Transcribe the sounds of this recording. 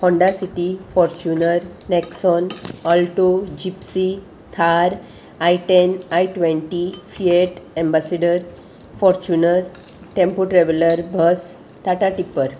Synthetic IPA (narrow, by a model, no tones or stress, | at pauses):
hɔ̃ɳɖasiʈifɔɾt͡ɕunəɾneksɔnɔlʈod͡ʑipsi | t̪ʰaɾ | ajʈenaiʈʋẽɳʈifieʈẽmbaseɖəɾ | fɔɾt͡ɕunəɾ | ʈẽmpoʈɾeʋeləɾbʱəs | t̪aʈaʈipːəɾ